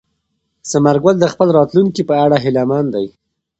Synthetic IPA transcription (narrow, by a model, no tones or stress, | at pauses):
samaɾɡald̪əxpəlɾɑt̪luŋkipəaɽaɦɪlamand̪aj